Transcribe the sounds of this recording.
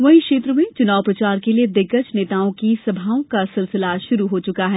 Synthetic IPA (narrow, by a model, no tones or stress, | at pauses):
ʋɐɦĩkʃeːt̪ɾəmẽt͡ʃʊnaːʋpɾɐt͡ʃaːɾkelied̪ɪkət͡ʃneːt̪aːõkisɐbʱaːõkasɪlsɪlaʃʊɾuɦot͡ʃʊkaɦɛː